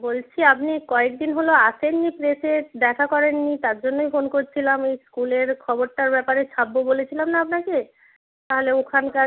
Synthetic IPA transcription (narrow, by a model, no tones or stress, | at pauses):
bolt͡ɕʰiapnikɔek̚d̪inɦoloaʃʰenːipɾesed̪ɛkʰakɔɾenːit̪aɾd͡ʑonːojfonkoɾt͡ɕʰilamejskuleɾkʰɔboɾʈaɾbɛpaɾet͡ɕʰabːobolet͡ɕʰilamnaapnake | t̪aɦoleokʰanka